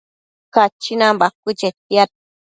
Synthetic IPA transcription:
kat͡ʃinambak̚ːut͡ʃet̪̚jat̪̚

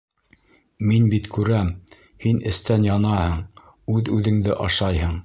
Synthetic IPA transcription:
minbit̪kʉɾæm | hinɘ̆st̪ænjɑnɑhɤɴ | ʉðʉðɘ̆ŋd̪ɘʔɑʃɑjhɤɴ

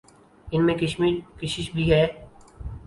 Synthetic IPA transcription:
ɪnmẽkɐʃmiːɾkɪʃɪʃbʱiɦɛː

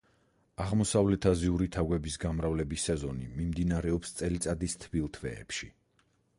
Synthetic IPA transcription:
aʁmɔsavlɛt̪ʰaziuɾit̪ʰaɡwɛbisɡamɾavlɛbisːɛzɔnimimd̪inaɾɛɔpst̪sʼɛlit̪sʼad̪ist̪ʰbilˠt̪ʰvɛ̰ːpʃi

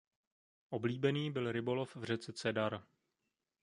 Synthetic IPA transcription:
ʔo̞bliːbɛniːbɪlɾɪbo̞lofvr̝ɛt͡sɛt͡sɛdaɾ

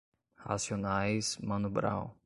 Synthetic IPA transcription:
ha̰sjonajsmɐ̃nubɾa̰w

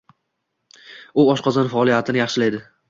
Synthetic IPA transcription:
ʊɒʃqʰɒzanfaːlˠijat̪ʰɪnɪjɑχʃɪlajd̪ɪ

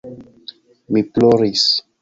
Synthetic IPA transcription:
miploɾis

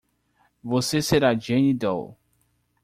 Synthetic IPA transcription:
voseseɾad͡ʒẽnid̪ɔ̰w

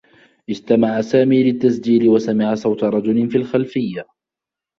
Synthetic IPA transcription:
ʔɪst̪amaʕasaːmiːlɪt̪ːasd͡ʒiːlɪwasamɪʕasˤɑwt̪aɾˤɑd͡ʒʊlɪnfiːlxalfɪjːa

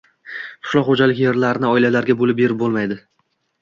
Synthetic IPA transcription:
qʰʊ̥ʃlˠɒχod͡ʒalɪkʲje̞ɾlaɾɪnɪɒɪlalaɾɡʲabolɪp̚be̞ɾɪp̚bolˠmajd̪ɪ

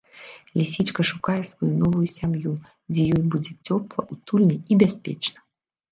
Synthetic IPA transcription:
lʲisʲit͡ʂkɐʂukajɛsvɔjunɔvujusʲamju | d͡zʲɛjɔjbud͡zʲɛt͡sʲɔplˠɐ̰ʔut̪ulʲnʲɛibʲasʲpʲɛ̰t͡ʂnɐ

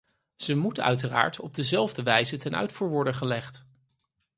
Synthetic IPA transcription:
z̥əmutœ̰ɥtəra̰ːɹtʰɔb̚dəzɛlˠvdəʋɛjzətɛnœ̰ɥtfuːɹʋɔɹdəχəlɛχt

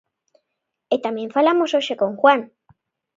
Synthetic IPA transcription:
et̪amje̞ɱfalamosoʃekoŋxwan

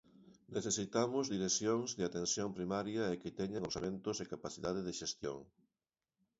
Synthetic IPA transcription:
neθesit̪amʊzðiɾesjoŋzðɪat̪ensjompɾimaɾjaekɪt̪ɛɲaŋoseβẽnt̪osekapaθiðaðeðeʃest̪jo̰ŋ

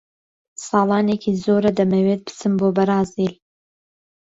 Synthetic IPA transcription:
sɑːlˠɑːnekʰiːzoːɾɐd̪ɐmɐwet̪̚bɨt͡sʰɨmboːbɐɾaːzil

